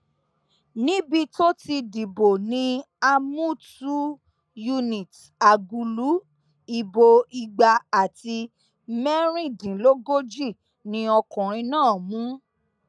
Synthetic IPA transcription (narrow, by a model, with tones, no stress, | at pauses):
nĩ˦bi˧to˦ti˧di˨bo˨nĩ˧˦ | a˧mũ˦tu˦ | ju˧nĩ˨t | a˨ɡu˧lu˨˦ | i˦˧bo˧i˧ɡ͡ba˧a˨ti˧ | mɛ˦ɾ̃ĩ˦˨dĩ˨lo˦ɡo˦d͡ʒi˦˨ | nĩ˧ɔ˧kɔ̃˨ɾ̃ĩ˧nãː˦˨mũ˨˦